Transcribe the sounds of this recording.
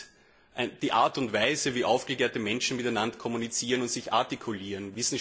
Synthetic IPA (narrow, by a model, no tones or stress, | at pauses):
ʔnd̥iːʔaːɐtʊntv̥æɪzəviːʔaʊfɡ̥əkeːɐtəmɛnʃn̩mɪtæɪnandɐkʰɔmunit͡siːʁənʊntz̥ɪça̰ɐtikʰʊliːʁənvɪsn̩